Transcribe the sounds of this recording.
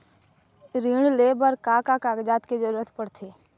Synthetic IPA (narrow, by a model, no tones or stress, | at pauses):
ɾiɽ̃lebəɾkakakaːɡd͡ʒaːt̪ked͡ʒəɾuːɾət̪pəɽt̪ʰeː